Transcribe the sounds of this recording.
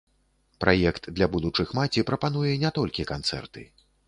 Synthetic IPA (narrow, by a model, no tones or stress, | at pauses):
pɾʔa̰jɛkt̪d̪lʲabud̪ut͡ʂɨxmat͡sʲipɾɐpan̪ujɛnʲɛt̪ɔlʲkʲikant̪sɛ̰rt̪ɨ